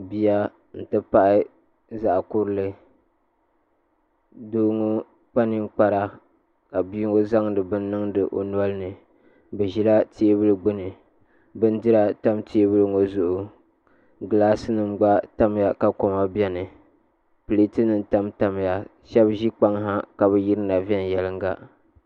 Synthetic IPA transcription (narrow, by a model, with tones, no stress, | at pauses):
bi˦ja˦ | n̩˨tɨ˦pa˦ʔɪ˦ | za˨ʔkʊ˦ɾɨ˦lɨ˦ | doː˦ŋo˦ | k͡pa˦nɨ˦ŋk͡pa˦ɾa˦ | ka˨bi˦ŋo˦za˦ŋdɨ˨bɨ˦nː˦ɨ˦ŋdɨ˨ʔo̰˨n˦ɔ˦lɨ˦nɨ˨ | bɨ˨ʒi˦la˦tʰi˦e˦bɨ˦lɨ˦ɡ͡bɨ˦nɨ˨ | bɨ˦n˦dɨ˦ɾa˦ta˦mtʰi˦e˦bɨ˦lɨ˨ŋo˦zʊ˨ʔʊ˨ | ɡɨ˨laː˦sɨ˦nɨ˨m˦ɡ͡ba˦ta˦m˨ja˨ka˨ko˨ma˦bi˦ɛ˦nɨ˨ | pɨ˨li˦tɨ˦nɨ˦nta˦mta˦m˦ja˨ | ʃɛ˦bʒi˦k͡pa˦ŋɦa˦ka˨βɛ˨ji˦ɾɨ˦na˨vi˦ɛ˦n˨jɛ˦lɨ˦ŋ˦ɡa˦